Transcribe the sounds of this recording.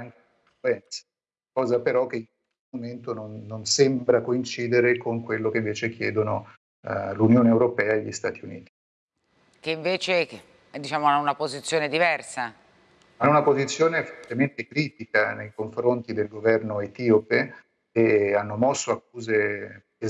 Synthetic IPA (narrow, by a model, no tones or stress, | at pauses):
aŋkeiɱfluɛnt̪sḁ | kɔːzapeɾɔk̟ːeiŋkwest̪omoment̪ononːonsembɾakoint͡ʃiːd̪eɾekoŋkwelːokeiɱveːt͡ʃekːjɛːd̪ono | lunjoːneewɾopɛːaeʎːist̪aːt̪iuniːt̪i̥ | keiɱveːt͡ʃe | d̪it͡ʃaːmoaunapozit̪sːjoːned̪ivɛrsa | aunapozit̪sːjoːnefort̪ement̪ekɾiːt̪ikanejkoɱfɾont̪id̪elɡovɛrnoet̪iopeː | anːomɔsːoakːuːze | e